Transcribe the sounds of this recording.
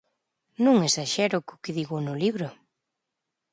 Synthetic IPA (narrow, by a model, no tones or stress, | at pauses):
nũŋesaʃɛɾʊkʊkɪðiɣʊnʊliβɾʊ